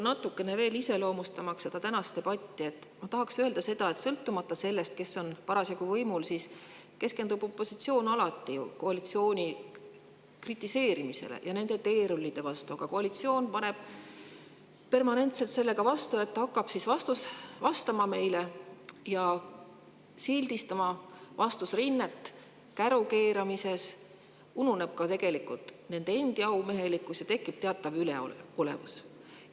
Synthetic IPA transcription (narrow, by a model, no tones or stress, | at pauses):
nɑt̪ːˑukːe̞ne̞ve̞ːlise̞lo̞ːmust̪ɑmɑksse̞d̪̥ɑt̪ænɑst̪e̞b̥ɑt̪ʲːie̞t̪ːˑmɑt̪ɑɦɑksøeld̪̥ɑse̞d̪̥ɑe̞t̪sɤlt̪ːumɑt̪ːɑse̞lːe̞st̪ke̞sːo̞npɑɾɑsikuvɤjmulsiːs | ke̞ske̞nd̪ub̥o̞pːˑo̞sit̪sio̞ːnɑlɑt̪ːḭko̞ɑlit̪sio̞ːnʲi | krit̪ːˑise̞ːɾimise̞̰lḛjʔɑne̞nd̪̥e̞t̪e̞ːɾulːid̪̥e̞vɑst̪uɑɡ̥ɑko̞ɑlit̪sio̞ːnpɑne̞b̥ | pe̞rmɑne̞nt̪se̞lt̪se̞lːe̞ɡɑvɑst̪uet̪ːɑɑkːɑb̥sisvɑst̪usvɑst̪ɑmɑme̞jlejɑ | sild̪̥ist̪ɑmɑvɑst̪usrinːe̞t̪ːˑ | kæɾuke̞ːɾɑmise̞s | unune̞b̥̚kɑt̪e̞ɡ̥e̞likːult̪ˑne̞nd̪eend̪̥iɑwme̞ɦe̞likːˑusjɑt̪e̞kːˑib̥̚t̪eɑt̪ːˑɑvyleo̰ole̞̰vṵs